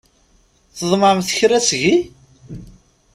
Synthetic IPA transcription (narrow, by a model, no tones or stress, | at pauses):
θəðˤməmθəçɾæsʝi